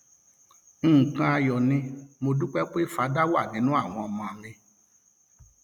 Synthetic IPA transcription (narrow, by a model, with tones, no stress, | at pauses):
kã˧a˧jɔ˨nĩ˧mo˧du˦k͡pɛ˦k͡pe˦˨fa˨˦da˦wo˦a˦˨nĩ˨˦nũ˦a˦˨w̃ɔ̃˧ɔ˧mã˧˨˧ɾe˧